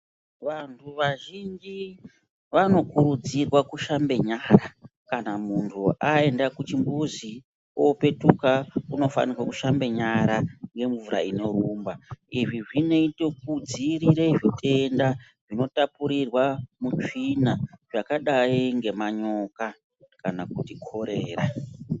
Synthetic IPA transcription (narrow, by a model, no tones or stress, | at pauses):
ʋantʰuʋaʒind͡ʒi | ʋano̞kuɾud͡zirwakuʃambe̞ɲaːɾakanamuntʰuae̞ndakut͡ʃimbuzi | ope̞tukauno̞fa̰nirwakuʃambe̞ɲaɾaŋɡe̞ɱvuɾa̰ino̞ɾuːmbaiʐiʐine̞ito̞k̚ud͡ziɾiɾeʐitʰe̞nda | ʐino̞tapuɾirwamut͡ʂinaʐakaɗaiŋɡe̞maɲo̞ka | kanakutikʰo̞ɾe̞ːra